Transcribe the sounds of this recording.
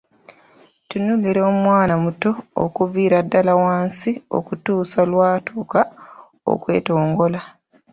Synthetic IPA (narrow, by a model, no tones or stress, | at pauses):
tunuliɾoːmwaːnamuto̞̰ːkuviːɾadːalawaːnsio̞̰kutuːsalwaːtʰuːka | o̰kwe̞̰ːto̞ːŋɡo̞la